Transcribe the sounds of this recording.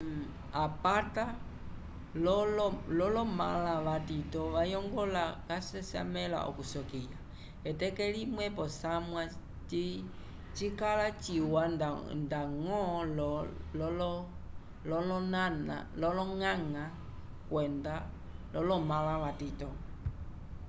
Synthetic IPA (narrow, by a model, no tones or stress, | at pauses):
apata | lɔɔlɔlɔma̰laʋatitɔʋajɔŋɡɔlakasɛsa̰mɛla̰ʔɔ̰kusɔkija | ɛtɛkɛlimwɛpɔsamwa | t͡ʃi | t͡ʃikalat͡ʃiwandaŋɔlɔɔlɔ | lɔlɔnana̰lɔlɔŋaŋa | kwɛnda | lɔlɔmalaʋatitɔ